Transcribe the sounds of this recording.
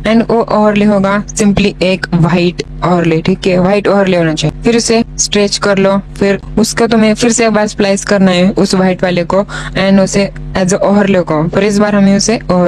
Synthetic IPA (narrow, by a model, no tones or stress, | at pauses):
ɛ̃ːɳɖoʔɔːɾleɦoːɡasɪ̃mpliʔeːkʋaːɪʈ | ɔːɦəɾleʈʰiːkɦɛʋaːɪʈɔːɾleɦoːnat͡ʃaːɦifɪɾʊsesʈɾeːt͡ʃkɐɾlofɪɾʊskot̪ʊmẽfʰɪɾsebɛsplaːɪskɐɾnaɦɛʊsʋaːɪʈʋaːlekoɛ̃ːɳɖʊseɛzəʔɔːɾleɡapɪɾɪs̬baːɾɦɐmẽʊseɔː